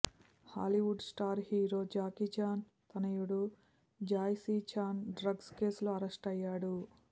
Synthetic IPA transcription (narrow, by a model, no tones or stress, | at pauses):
ha̰ːliʋuɖsʈaːɾhiːɾo̞ːd͡ʒaːkit͡ʃaːn | t̪ɐnɐjuɽu | d͡ʒaːjsiːt͡ʃʰaːnɖɾɐɡske̞ːsluɐɾesʈɐjːaːɽu